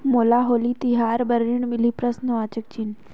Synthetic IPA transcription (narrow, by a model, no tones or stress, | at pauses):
moːlaɦoːlit̪ɪɦaːɾbɐɾiɽ̃mɪlipɾəsnəʋaːt͡ʃək̚t͡ɕʰin̆